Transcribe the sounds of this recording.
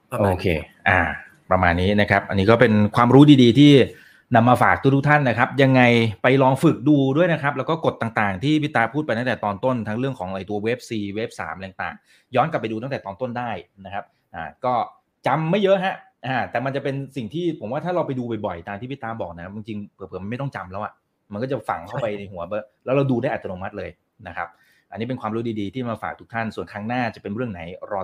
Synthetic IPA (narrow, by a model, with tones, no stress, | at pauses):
ʔoː˧kʰḛː˧ | ʔa̰ː˨˩ | pɾa˧maː˧nːiː˦˥na˦˥kʰa˦˥p̚ʔa̰˧nːi˦˥kɔː˥˩pe˧nkʰwaː˧mɾuː˦˥diː˧diː˧t̪ʰiː˥˩ | na˧mːaː˧faː˨˩k̚t̪u˦˥˩t̪ʰu˥k̚t̪ʰa˥˩nːa˦˥kʰa˦˥p̚ja˧ŋːa˧jpa˧jlɔː˧ŋfɯ˨˩k̚duː˧du˥˩əjna˦˥kʰɾa˦˥p̚lɛ˦˥wkɔː˥˩ko˨˩t̪ːaː˨˩ŋt̪aː˨˩ŋt̪ʰiː˥˩pʰi˦˥˩t̪ːaː˧˩pʰu˥˩pa˧jt̪a˥˩t̪ɛː˨˩t̪ɔː˧nt̪o˥˩nt̪ʰa˦˥ŋɾɯ˥˩əŋkʰɔː˩˦ŋʔa˧˩t̪u˧ɐwe˦˥p̚siː˨˩we˦˥p̚sa̰ː˩˦mʔa˧˨˩ŋt̪a̰ː˨˩ŋ | jɔː˦˥nka˨˩pːa˧jduː˧t̪a˥˩ŋt̪ɛː˨˩t̪ɔː˧nt̪o˥˩ndaː˥˩jna˦˥kʰa˦˥p̚ | ʔa̰ː˨˩kɔː˥˩ | t͡ɕa˧mːa˥˩jɤ˦˥ʔɦa˦˥ʔ | ʔaː˨˩t̪ɛː˨˩ma˧nt͡ɕa˨˩pe˧nsi˨˩ŋt̪ʰiː˥˩pʰo˩˦mwaː˥˩aː˥ɾa˧wpa˧jduː˧bɔ˨˩jbɔ˨˩jt̪aː˧ŋt̪ʰiː˥pʰi˦˥t̪ːaː˧˥bɔː˨˩k̚na˦˥kʰa˥a˧ŋt͡ɕi˧ŋpʰɤ˨˩t̚ʰɤː˩˦m˧ma˥˩jt̪ɔ˥˩ŋt͡ɕa˧mlɛː˦˥wʔa˨˩ | ma˧nkɔː˥˩a˨˩fa̰˨˩˦ŋkʰa˥˩wpa˧jna˧jɦu˨˩˦ɐbɤ˦˥˩lɛ˦˥wɾa˧wduː˧daː˥˩jʔa˨˩t̪ʰːnoː˧ma˦˥t̪̚lɤː˧j | na˦˥kʰa˦˥p̚ | ʔa˧nːiː˦˥pe˧nkʰwaː˧mɾu˦˥diː˧diː˧t̪ʰiː˥˩˧maː˧fa̰ː˨˩k̚t̪ʰu˥kt̪ʰa˥˩nsu˨˩ənkʰɾa˦˥ŋnaː˥˩t͡ɕa˨˩pe˧nɾɯ˥˩əŋna˩˦jɾɔː˧